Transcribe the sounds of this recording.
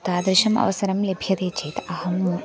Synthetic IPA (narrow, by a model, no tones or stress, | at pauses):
t̪aːd̪ɾɪʃɐmɐ̰ʋɐsɐɾɐmlebʱjɐt̪eːt͡ʃeːt̪ɐɦɐm